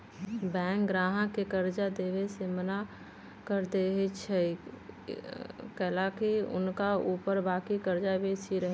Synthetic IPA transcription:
bɛ̃ːŋk̚ɡɾaːɦãkekəɾd͡ʒad̪eːʋeseməna | kəɾd̪eːɦet͡ʃʰɛ | kɛlakiʊ̰nkauːpəɾbaːkikəɾd͡ʒabʱeːsiɾəɦe

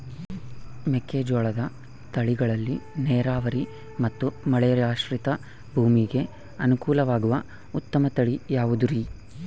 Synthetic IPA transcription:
mekeːd͡ʒoːɭɐd̪ɐ | t̪ɐɭiɡɐɭɐlːineːɾaːʋɐɾi | mɐt̪ːumɐɭɛjɾaːʃʋɾit̪ɐ | bʱuːmiɡe̞ | ɐnukuːlɐʋaːɡuʋɐ | ut̪ːɐmɐt̪ɐɭijaːʋud̪uɾi

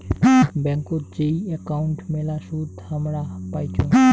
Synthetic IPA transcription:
bɛ̃ŋkod͡ʒeiekaʊɳʈmelasuːd̪ʱhəmɾapaːjt͡ʃʰo

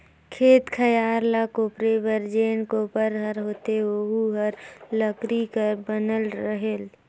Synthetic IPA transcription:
kʰeːt̪kʰəjaːɾlakoːpɾebəɾd͡ʒeːnkopəɾɦəɾɦoːt̪eoɦuɦəɾləkɾikəɾbənəlɾəɦel

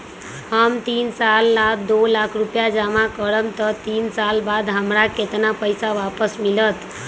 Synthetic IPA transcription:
ɦəmt̪insalːad̪olakʰɾupjad͡ʒamãkəɾəmt̪ət̪insalbad̪ɦəmɾaket̪napəjsaʋapəsmilət̪

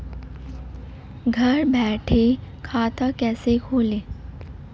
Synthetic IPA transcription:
ɡʱəɾbʱɛʈʰekʰat̪ʰəkɛsekʰole

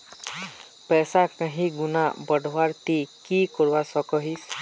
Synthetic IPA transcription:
pɛsakãɦĩɡunabɔɖʱwaɾt̪ikikɔɾbasɔkɔɦis

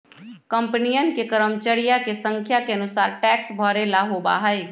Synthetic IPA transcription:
kə̃mpnijənkekəɾəmt͡ʃəɽijakesə̃ŋkʰjakeənʊsaːɾʈɛːksbʱɔːɾelaɦoba̰ɦəe

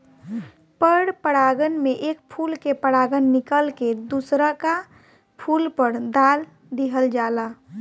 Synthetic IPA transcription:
pəɽpəɽaɡənmeʔek̚pʰulkepəɽaɡənːikəlked̪usɾəka | pʰulpəɾd̪al | d̪iɦəld͡ʒala

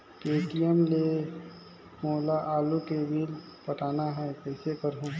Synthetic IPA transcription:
peːʈijəmle | moːlaʔaːlukebʱil | pəʈaːnaɦɛkɛːsekəɾɦũ

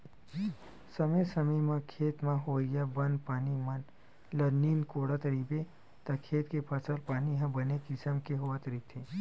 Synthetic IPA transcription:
sɐmesɐməmãkʰeːt̪mãɦoijabɐnpaːnimɐn | lɐniːnkoːɽat̪ɐɾiːbe | t̪ɐkʰeːt̪kepʰɐsəlpaːniɦãbɐnekɪsəmkeɦoat̪əɾiːt̪ʰe

